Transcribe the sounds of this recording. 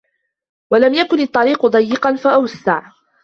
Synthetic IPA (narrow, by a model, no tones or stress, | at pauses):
walamjakʊnɪt̪ˤːɑɾiːqʊd̪ˤɑjːɪqɑnfaʔawsːaʕ